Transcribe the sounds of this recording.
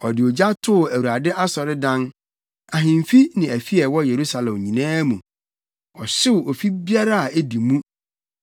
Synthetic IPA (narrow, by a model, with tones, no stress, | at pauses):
ɔ˨dɪ˨ɔ˨d͡ʑa˦tʰʊ˦˨æ˨wu˨ɾa˨dɪ˦ʔa˦sɔ˨ɾɪ˦dã˦n | a˨ɦɪ̃˨m˨fi˦nɪ̃˨æ˨fi˦ɛ˨wɔ˦je˨ɾu˦sa˨lɛ̃˨mɲĩ˨nãː˦mũ˨ | ɔ˨ɕɪ˦ʊ˨ʔɔ˨fi˦bi˦a˦ɾa˦a˨æ˦di˨mũ˦